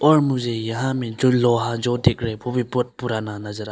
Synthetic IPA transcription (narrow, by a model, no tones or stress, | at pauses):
ɔɾmuzejaɦamid͡ʒɔlɔɦad͡ʒɔdek̚ɾɛbʰɔbipɔt̚puɾananazaɾa